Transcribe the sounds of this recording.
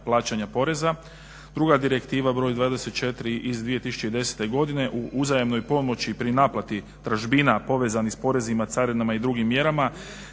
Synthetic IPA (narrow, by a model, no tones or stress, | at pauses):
plˠaːt͡ɕaɲapo̞ɾe̞za | d̪ɾuɡad̪iɾe̞kt̪iːʋabɾo̞jd̪ʋaːd̪e̞set̪̚t͡ʃe̞t̪ɾiʔizd̪ʋije̞t̪isu̥t͡ʃeid̪e̞se̥t̪e̞ɡo̞d̪ine̞ʔuʔuzajamno̞jpo̞mo̞t͡ɕipɾinaplˠat̪i | t̪ɾaʒbinapo̞ʋe̞zanixspo̞ɾe̞zimat̪saɾinamaid̪ɾuɡimːje̞ɾama